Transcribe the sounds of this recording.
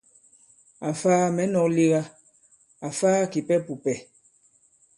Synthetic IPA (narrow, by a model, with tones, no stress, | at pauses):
a˨faː˦mɛ˨˦nɔ˨li˦ɣa˦ | a˨faː˦ki˨pɛ˦pu˨pɛ˨